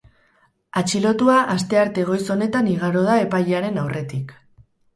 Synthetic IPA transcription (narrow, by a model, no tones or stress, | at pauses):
at͡ʃilo̞t̪uaʔast̪e̞aɾt̪e̞ɣ̞o̞jso̞ne̞t̪aniɣ̞aɾo̞ð̞ae̞pajaɾe̞nawrʔe̞t̪ik